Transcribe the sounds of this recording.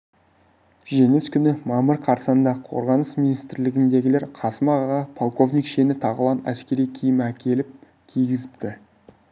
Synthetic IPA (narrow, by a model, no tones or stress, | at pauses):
ʒe̞ŋeskʲʰʏnɪmɑməɾqʰɑɾsɑnd̪ɑqʰo̞̰ɾʁɑnəsminijst̪ɾlɪɡʲɪnd̪e̞ɡʲɪle̞ɾqʰɑsəmɑʁɑʁɑpʰolˠko̞vnʲijkʃe̞nɪt̪ʰɑʁəlˠɑnæ̰skʲe̞ɾijkʲʰijɪmækʲʰe̞lɪp̚ | kʲʰijɡʲɪzɪpt̪ɪ